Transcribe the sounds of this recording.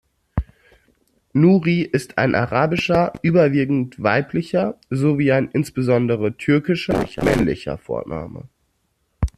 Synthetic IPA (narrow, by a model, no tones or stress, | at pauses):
nuːʁiːʔɪstʰa̰ɪnʔa̰ʁaːbɪʃɐʔyːbɐviːɡŋ̩tv̥aɪplɪçɐzoviːaɪnʔɪnsb̥əzɔndəʁətʰʏɐkɪʃɐɪmɛ̰nlɪ̰çɐ̰fo̰ːɐna̰ːmə̰